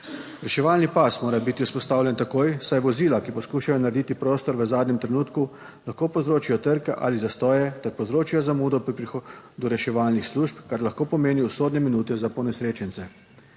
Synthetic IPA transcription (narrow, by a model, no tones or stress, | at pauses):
ɾɛʃɛʋaːlnipasmoːɾabit̪iuspɔst̪aːwlʲjɛnt̪akoːjsajʋɔziːlakipɔskuːʃajɔnaɾed̪iːt̪ipɾoːst̪ɔɾʋəzaːd̪nɲɛmt̪ɾɛnuːt̪ku | laxkoːpɔzɾoːt͡ʃijɔt̪əɾkɛʔa̰ːlizast̪ɔːjɛt̪ɛɾpɔwzɾoːt͡ʃijɔzamuːd̪ɔpɾipɾixod̪uɾɛʃɛʋaːlnixsluʃpkaɾlaxkoːpɔmeːniusoːd̪nɛminuːt̪ɛzapɔnɛsɾeːt͡ʃɛnt̪sɛ